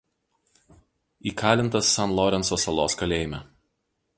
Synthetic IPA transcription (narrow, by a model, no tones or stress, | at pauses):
iːkʰɑːlʲɪnt̪ɐsːɐnlˠɔɾʲɛnsɔsɐlˠoːskɐlʲeːjɪmʲɛ